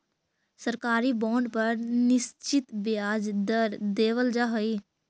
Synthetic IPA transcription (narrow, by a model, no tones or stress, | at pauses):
səɾkaːɾibɔːɳɖpəɾnɪst͡ʃɪt̪bjaːd͡ʒd̪əɾd̪eːʋəld͡ʒaɦəi